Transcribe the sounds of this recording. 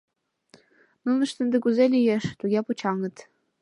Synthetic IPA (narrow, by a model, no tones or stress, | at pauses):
nunɤ̆ʃt̪ə̆nd̪ɘ̆kuzelʲijeʃt̪uɣʲeput͡ɕɑŋɤ̆t̪